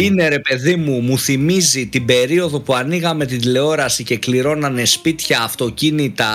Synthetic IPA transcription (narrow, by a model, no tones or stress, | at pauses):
ine̞ɾe̞pe̞ðimumuθimizit̪ibe̞ɾio̞ðo̞puɐniɣɐme̞t̪ind̪ile̞o̞ɾɐsice̞kliɾo̞nɐnespit̪çɐːft̪o̞cinit̪ɐ